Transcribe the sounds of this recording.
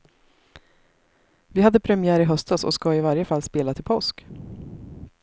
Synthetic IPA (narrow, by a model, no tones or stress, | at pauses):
vɪhad̪ːəpʰɾɛmɪæːɾɪɦœst̪asɔ̰skɑːɪvaɾjəfalːspeːlat̪ʰɪlpʰɔsk